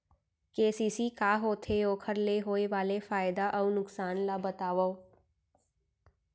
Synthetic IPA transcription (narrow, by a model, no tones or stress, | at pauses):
keːsiːsikaːɦoːt̪ʰeoːkʰəɾleɦoːeʋaːlefaːɪd̪aʔɔunʊksaːnlabət̪aːʋa